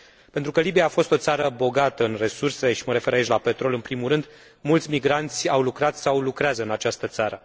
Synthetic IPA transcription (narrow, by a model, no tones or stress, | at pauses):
pe̞nt̪ɾukəlibijaːfo̞st̪o̞t̪saɾəbo̞ɡat̪əɨnre̞surseleʃi̥məɾe̞fe̞ɾait͡ʃlape̞t̪ɾo̞lɨnpɾimuɾɨnd̪ | mult̪sʲmiɡɾant̪sʲawlukɾat̪sawlukɾeazəɨnat͡ʃast̪ət̪saɾə